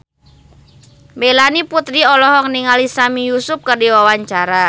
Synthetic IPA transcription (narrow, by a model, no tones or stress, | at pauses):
melaniput̪ɾiɔlɔɦɔŋniŋalisamijusʊp̚kərdiwawaɲt͡ʃaɾa